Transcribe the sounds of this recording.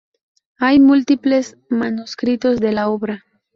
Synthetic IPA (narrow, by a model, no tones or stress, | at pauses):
ajmult̪iples | manuskɾito̞sd̪e̞laobɾa